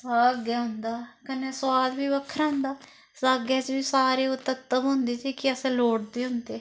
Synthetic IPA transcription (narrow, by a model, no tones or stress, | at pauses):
saːɡɛːɦʊnd̪aːkəneːswaːlbiːbəkʰːəɾaːʊ̃nd̪aː | saːɡɛːt͡ʃbiːsaːɾeːʊt̪ək̚t̪əbɦʊ̃nd̪eːt͡ʃiːkɪəsẽːloːʈd̪eːɦʊ̃nd̪eː